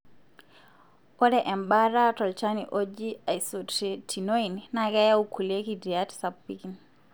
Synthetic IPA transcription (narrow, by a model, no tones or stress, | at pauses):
kɔdɛʔɛmbaɾatɔlt͡ʃaniʔod͡ʒiajsɔttʰinoinnaɡɛjaukʰulekidiatsabikin